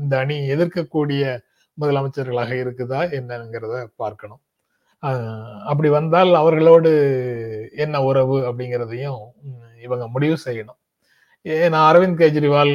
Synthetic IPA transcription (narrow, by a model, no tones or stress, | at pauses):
ɪnd̪ɐːɳiɛðɪɾkɐkːuːɽɪjɐ | mʊðɐlɐmɐɪt͡ʃːɐɾɣɐɭaːɣɐɪɾɯkːɯt̪ãːɛnːɐŋɡɪɾɐðɯpaːɾkɐɳʊ̃m | ɐp̬ːɐɽiʋɐnd̪aːlɐʋɐɾɣɐɭoːɽɯ | ɛnːɐʊɾɐʋɯɐpːɐɽɪŋɡɪɾɐðɐjʊ̃ | ɪʋɐŋɡɐmʊɽɪʋɯsɛjːɐɳʊ̃ | enãːɐɾɐʋɪnd̪keːd͡ʒɪɾɪʋaːl